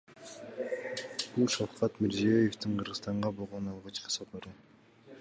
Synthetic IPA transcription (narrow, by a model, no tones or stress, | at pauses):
b̥ulˠʃɑfqɑt̪mɪɾziejeft̪iɴqʰɯɾʁɯst̪ɑɴʁɑbolˠʁonɑlˠʁɑt͡ʃqʰɯ̥soqoɾu